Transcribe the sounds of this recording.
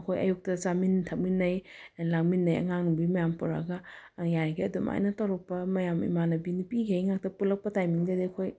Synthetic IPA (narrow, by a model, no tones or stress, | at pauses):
ɐkʰojɐ̰juk̚tɐsamintʰak̚minːɐjlaŋminːɐjɐ̰ŋaŋnubimɐjampuɾa̰ɡɐjajɡiɐdumʔa̰jnɐtawɾɐk̚pɐmɐjamḭmanɐbinipiɡejŋak̚tɐpulɐk̚pɐtajmiŋdɐdikʰoj